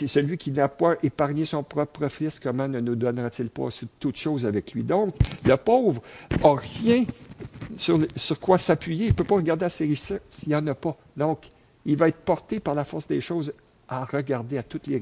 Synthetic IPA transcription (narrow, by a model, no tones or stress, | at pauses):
səlɥikʲinapɔʔepaʁɲesɔ̃pʁɔpʁəfɪskɔmɑ̃nənud̪ɔnʁat̪ɪlpʌ̰sit̪ut̪ʃoːzavɛklɥid̪ɔ̃kləpɔːvʁɑʁjɛ̃ | syʁlsyʁkwasapɥijeilpøpɔʁəɡaʁd̪easeʁiʃsɛsijɑ̃ːnapʌ | d̪ɔ̃k | ilvaɛt̪χpɔʁt̪epaʁlafɔʁsd̪eːʃoːz | aʁəɡaʁd̪eat̪ʊt̪le